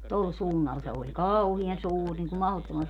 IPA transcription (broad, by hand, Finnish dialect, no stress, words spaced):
tol suːnːɑl se olʲ kɑuhiɑn suːr niŋku mɑhotːomɑn